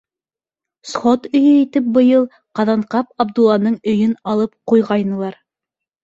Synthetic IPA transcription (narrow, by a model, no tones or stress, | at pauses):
sχot̪ɵ̆jɵit̪ɘp̚bɤ̆jɤlˠ | qɑðɑɴqɑp̚ɑbd̪ulːˠɑnɤɴɵ̆jɵnɑlˠɤp̚qujʁɑjnɤ̆lˠɑɾ